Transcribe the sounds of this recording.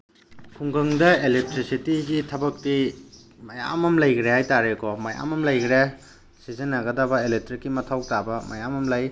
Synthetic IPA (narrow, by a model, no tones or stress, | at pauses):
kʰuŋɡɐŋdɐelek̚tɾisitiɡitʰɐbɐk̚ti | mɐja̰mɐmlɐjkʰɾehajtaɾekɔmɐja̰mɐmlɐjkʰɾe | sizenːɐɡɐdɐbɐelek̚tɾikːimɐtʰawtabɐmɐjamɐmlɐj